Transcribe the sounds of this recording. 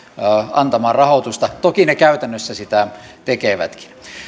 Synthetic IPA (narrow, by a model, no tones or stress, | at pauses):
ɑnt̪ɑmɑːrɑhot̪ust̪ɑt̪okinekæyt̪ænːøsːæsit̪æt̪ekeʋæ̰t̪ki̥n